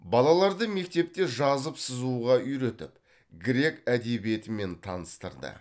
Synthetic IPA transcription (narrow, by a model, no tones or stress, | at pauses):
bɑlˠɑlˠɑɾd̪əme̞k̚t̪e̞p̚t̪e̞ʒɑzəpsəzuʁɑʏjɾe̞t̪ɪp | ɡɾʲe̞kæd̪e̞bije̞t̪ɪme̞nt̪ʰɑ̰nəst̪əɾd̪ə̰